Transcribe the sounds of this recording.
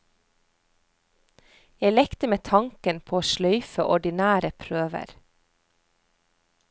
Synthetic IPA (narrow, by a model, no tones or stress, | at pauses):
jæɪlɛkt̪əmeːt̪ʰɑŋkənpʰoːoːʃlœʏfə̰ʔɔɖɪnæːɾəpʰɾøːʋə̰ɾ